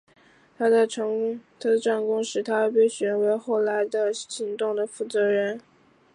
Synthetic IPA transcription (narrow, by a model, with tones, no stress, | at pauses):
t̪ʰa˥d̪ə˨ʈ͡ʂt̪ʰa˥d̪ə˨˩ʈ͡ʂa˥˩nkʊ˥ŋʂɻ̩˥˩t̪ʰa˥˧pe˥˩ɪɕɥɛ˧˥nwe˧˥ɪxo˥˩ʊla˧˥ɪd̪ə˧ɕi˧˥ŋt̪ʊ˥˩ŋd̪ə˩fu˥˩t͡sɤ˧˥ɻə˧˥n